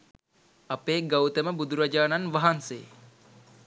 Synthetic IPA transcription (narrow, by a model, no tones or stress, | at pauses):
apeːɡawt̪əməbud̪uɾad͡ʒaːnanʋaɦansḛː